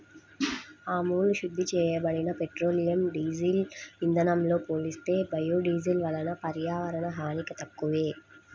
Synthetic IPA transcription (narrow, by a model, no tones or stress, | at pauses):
aːmuːluʃud̪ʱːit͡ʃɛːjɐbɐɽinɐpeʈɾo̞ːlijɐmɖiːzilind̪ʱɐnɐmlo̞ːpoːlist̪e̞ːbɐjuːɖiːzilʋɐlɐnɐpɐɾjaːʋɐɾɐnɐɦaːnikɐt̪ɐkːuʋeː